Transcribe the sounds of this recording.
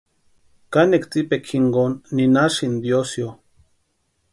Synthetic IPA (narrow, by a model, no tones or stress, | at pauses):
kanekt͡sipekʰiŋɡonːinaʃind̪josjo